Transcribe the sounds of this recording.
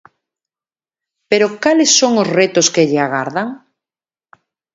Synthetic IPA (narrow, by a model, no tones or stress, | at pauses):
peɾokalesːoŋozret̪oskeʎeaɣ̞aɾðaŋ